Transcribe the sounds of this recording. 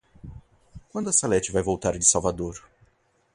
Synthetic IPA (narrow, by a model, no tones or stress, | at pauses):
kwɐ̃nd̪ʊɐsalɛt͡ʃɪvajvowt̪aɾd͡ʒɪsawvad̪oɾ